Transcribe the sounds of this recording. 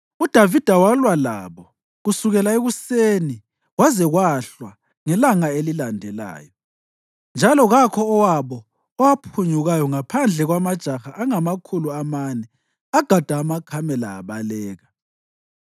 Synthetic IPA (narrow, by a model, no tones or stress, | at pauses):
ud̥ʱavid̥ʱawalwala̰βɔ | ɣusuɣɛlaeɣuseːni | wazɛɣwaɬwa | ŋɛlaŋaelilandʱɛla̰ːjɔ | nd͡ʒʱalɔɣakʰɔːwaβɔː | wapʰuɲuɣajɔŋapʰand͡ɮʱɛɣwamad̥ʒ̥ʱaxaʔaŋamakʰuluamanɛ | aɡ̥ʱad̥ʱaːmakʰamɛla̰ːβalɛːɣa